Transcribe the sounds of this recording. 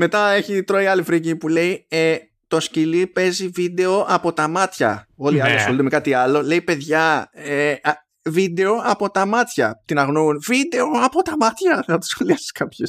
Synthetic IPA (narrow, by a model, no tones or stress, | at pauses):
me̞t̪ɐe̞çit̪ɾoiɐlifɾicipule̞ie | t̪o̞scilipe̞zivid̪e̞o̞ʔɐpo̞t̪ɐmɐt̪çɐ̰o̞liɐliɐsxo̞lit̪eme̞kɐt̪iɐlo̞le̞ipe̞ðʝɐe | vid̪e̞o̞ʔɐpo̞t̪ɐmɐt̪çɐ̰t̪inɐɣnunvid̪e̞oɐpo̞t̪ɐmɐt̪çɐnɐt̪o̥sxoliɐsi̥skɐpçes